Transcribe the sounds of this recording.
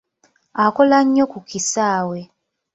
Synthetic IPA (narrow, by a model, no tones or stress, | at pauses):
akolaɲːokukisaːwe